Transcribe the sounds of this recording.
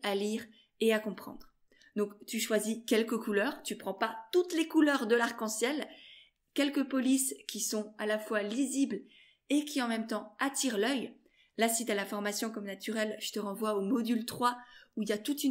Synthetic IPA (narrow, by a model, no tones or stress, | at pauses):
aliʁ | eakɔ̃pχɑ̰̃d̪ʁ | d̪ɔ̃kt̪yʃwazikʲɛlkəkulœːʁt̪ypχɑ̃pat̪ut̪lekulœʁd̪əlaʁkɑ̃sjɛl | kʲɛlkəpɔliskʲisɔ̃alafwalizibl | ekʲiɑ̃mɛmt̪ɑ̃at̪iʁlœj | lasit̪alafɔʁmasjɔ̃kɔmnat̪yʁɛlʒ̥ət̪əʁɑ̃vwaomɔd̪ylt̪χwauiljat̪ut̪y